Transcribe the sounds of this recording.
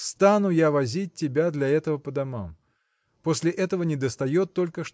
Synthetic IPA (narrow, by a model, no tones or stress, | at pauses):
st̪anujavazʲit͡s̚ʲtʲːɪbʲad̪lʲɐɛt̪əvɐpɐd̪ama̰m | pɔsʲlʲɪʔɛt̪əvɐnʲɛd̪ɐst̪ajɔt̪ːɔlʲkəʂ